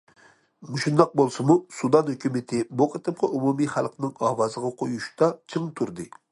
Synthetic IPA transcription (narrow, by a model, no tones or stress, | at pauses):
muʃund̪ɑq̚bolˠsɨmusud̪ɑnhøkʲymɪt̪ʰɪbuqʰət̪ɨp̚qʰɑʔumumiχælˠqnɨŋɑːwɑzəʁɑqʰojuʃt̪ɑt͡ʃʰɨŋt̪ʰuɾd̪ɨ